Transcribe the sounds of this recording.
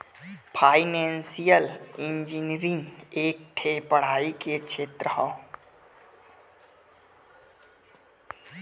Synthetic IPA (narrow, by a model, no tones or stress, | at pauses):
pʰaːɪnẽːnsijəlɪ̃nd͡ʒinɾɪ̃ŋeːk̚ʈʰeːpəɽ̤aːikekt͡ʃʰeːt̪ɾəɦɔ̃ː